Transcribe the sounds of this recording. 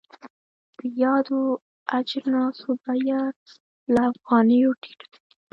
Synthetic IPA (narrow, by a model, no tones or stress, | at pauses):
d̪̥əjɑd̪o | ad͡ʒɾnɑsobaja | laːfɣɑnəjoʈi̥ʈ